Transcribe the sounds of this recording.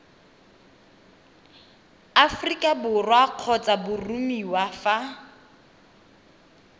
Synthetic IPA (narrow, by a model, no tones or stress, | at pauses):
afrikʼabʊrwaq͡χʰɔt͡sʼabʊrumiwafa